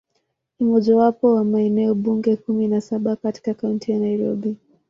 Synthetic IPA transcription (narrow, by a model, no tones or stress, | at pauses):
umɔʄawapɔwamaɛnɛɔɓuŋɡɛkuminasaɓakati̥kakauntijanaiɾɔ̰ɓi